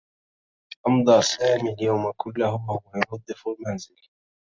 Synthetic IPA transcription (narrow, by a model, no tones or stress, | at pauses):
ʔɑmd̪ˤɑːsaːmiːljawmakʊlːahʊwajʊɾɑd̪ˤːɨfʊlmanzɪl